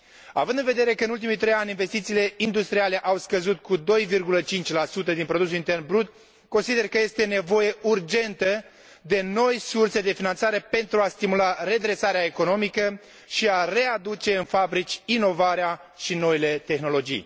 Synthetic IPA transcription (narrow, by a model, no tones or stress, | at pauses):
a̰vɨnd̪ɨnve̞d̪e̞ɾe̞kəɨnult̪imit̪ɾe̞janʲinve̞st̪it̪siːle̞ind̪ust̪ɾiale̞ʔawskəzut̪kud̪o̞jvirɡulət͡ʃint͡ʃʲlasut̪̬əd̪inpɾo̞d̪us̬ulint̪e̞rnbɾut̪̚ | konsid̪e̞rkəje̞st̪e̞ne̞vo̞je̞urd͡ʒe̞nt̪ə | d̪e̞no̞jsurse̞d̪e̞finant̪saɾe̞pe̞nt̪ɾuast̪imulare̞d̪ɾe̞saɾeaeko̞no̞mikə | ʃiare̞ad̪ut͡ʃe̞ɨnfabɾit͡ʃʲino̞vaɾea | ʃino̞ile̞t̪e̞xno̞lo̞d͡ʒḭj